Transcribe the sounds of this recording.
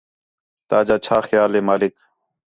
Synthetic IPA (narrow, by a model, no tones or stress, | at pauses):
t̪aːd͡ʒaːt͡ʃʰaːxjaːleːmaːlɪk